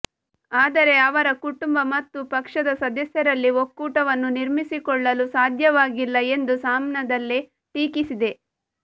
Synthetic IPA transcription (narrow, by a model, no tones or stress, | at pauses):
aːd̪ɐɾe̞ɐʋɐɾɐkuʈumbɐmɐt̪ːupɐkʂɐd̪ɐsɐd̪ɐsjɐɾɐlːiokːuːʈɐʋɐnːuniɾmisikɔɭːɐlusaːd̪ʱjɐʋaːɡilːɐe̞nd̪usaːmnɐd̪ɐlːe | ʈiːkisid̪e̞